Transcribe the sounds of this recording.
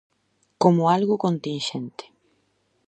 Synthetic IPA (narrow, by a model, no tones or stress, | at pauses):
komʊalɣʊkont̪ĩnʃent̪e̥